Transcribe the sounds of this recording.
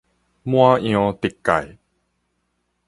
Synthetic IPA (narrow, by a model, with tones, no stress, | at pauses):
mw̃ã˦j̃ɔ̃˧t̪i˨˩kːa̰˨˩j